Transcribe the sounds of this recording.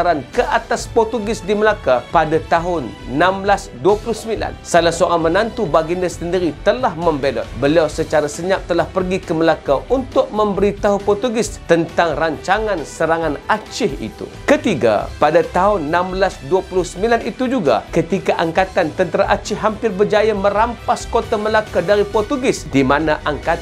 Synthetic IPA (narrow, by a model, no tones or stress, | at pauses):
aɾankəʔat̪aspɔrt̪uɡɪsdiməlakapadat̪aɦʊnːãmblasduapulʊhsəmbila̰nsalasoʔamənant̪ubaɡinast̪əndiɾit̪əlahmə̃mbedɔ̰t̪̚bəliawsət͡ʃaɾasəɲap̚t̪əlahpərɡikəməlakaʔunt̪ʊʔ̚mə̃mbəɾit̪aɦupɔt̪uɡɪst̪ənt̪aŋraɲt͡ʃaŋansəɾaŋanat͡ʃɪhḭt̪ṵkət̪iɡa̰padat̪aɦʊnːamblasduapulʊhsəmbilanit̪ud͡ʒuɡa̰kət̪ikaʔaŋkat̪ant̪ənt̪əɾaʔat͡ʃɪhɦampɪrbərd͡ʒajamə̃ɾampaskot̪aməlakadaɾipɔrt̪uɡɪsdimanaʔaŋka